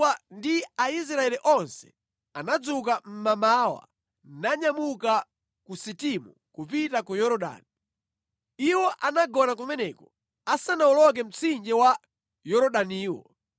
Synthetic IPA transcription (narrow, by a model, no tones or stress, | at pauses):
andiais̬ɾaɛliʔɔnsɛ̥̰ | anad͡zuk̬am̩mamaːwa̰ | naɲamuka | kusitimu | kupitakujɔɾɔɗa̰ːni | iwɔʔanaɡɔnak̬umɛnɛkɔ | asanaulɔk̬ɛm̩t͡sʰind͡ʒɛwa | jɔɾɔɗaniːwɔ̰